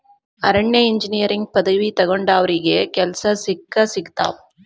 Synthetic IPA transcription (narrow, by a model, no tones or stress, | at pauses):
ɐɾɐɳːɐɪɲd͡ʒɪnijɐɾɪŋɡ̚pɐðɐʋit̪ɐɣɔɳɖaːʋɾɪɣekɛlsɐsɪkːɐsɪkt̪a̰ːp̚